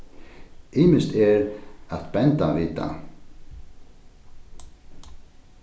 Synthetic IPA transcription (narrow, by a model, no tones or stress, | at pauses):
ɪːmɪst̪ɛɾaðpɛnt̪avɪːt̪a̰